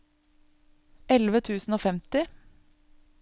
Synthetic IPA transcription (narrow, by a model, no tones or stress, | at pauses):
ɛlʋət̪ʰʉːsn̩oːfɛmt̪ɪ